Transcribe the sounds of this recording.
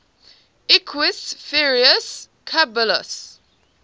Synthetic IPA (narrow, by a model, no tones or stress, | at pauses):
ɪkʰwɪsfɪɹiəs | kʰabələ̰s